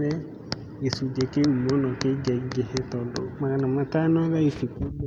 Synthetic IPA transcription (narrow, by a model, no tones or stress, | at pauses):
ɛ | esud͡ʒekeumɔnɔkeɡɛɡehetɔlɔ̰maɣanamatanɔβaifiku